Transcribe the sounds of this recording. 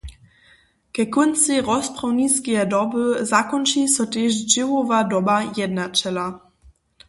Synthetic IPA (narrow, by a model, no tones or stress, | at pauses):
kɛkɔnt͡siʁɔsprɔwniskiɛdɔbəzakɔnt͡ʃisɔt̪eʃd͡ʒɪvovadɔbajɛdnat͡ʃɛla